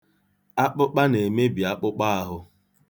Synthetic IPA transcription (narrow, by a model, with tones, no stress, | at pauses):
a˦k͡pʊ˦k͡pa˦ne˨me˦bi˨a˦k͡pʊ˦k͡pa˦a˦ɦʊ˦